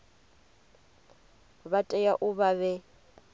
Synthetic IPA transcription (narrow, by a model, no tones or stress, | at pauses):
βatʼɛjaʔʊβaβɛ